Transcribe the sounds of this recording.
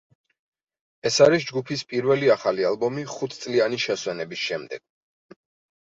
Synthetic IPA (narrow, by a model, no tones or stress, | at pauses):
ɛsaɾisd͡ʒɡupʰispʼiɾvɛliaχalialˠbɔmiχut̪ʰt̪sʼlianiʃɛswɛnɛbisʃɛmd̪ɛ̰ɡ̥̚